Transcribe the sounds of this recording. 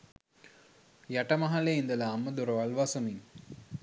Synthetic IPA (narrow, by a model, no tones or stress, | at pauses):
jaʈəmaɦaleind̪əlaːmːəd̪uɾoʋalʋasomiŋ